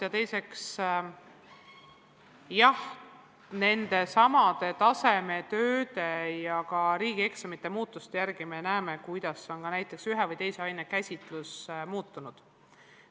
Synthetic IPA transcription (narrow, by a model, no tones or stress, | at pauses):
jɑt̪e̞jse̞ks | jɑh | ne̞nd̪̥e̞sɑmɑd̪̥e̞t̪ɑse̞me̞t̪øːd̪e̞jɑkɑɾiːɡ̥ie̞ksɑmit̪ːe̞muːt̪ˑːust̪ejæɾɡ̥ime̞næːmekujd̪̥ɑsːeo̞nkɑnæjt̪ːˑe̞ksyɦevɯjt̪e̞jse̞ɑjnekæsʲit̪ˑlusmuːt̪ˑːunud̪̥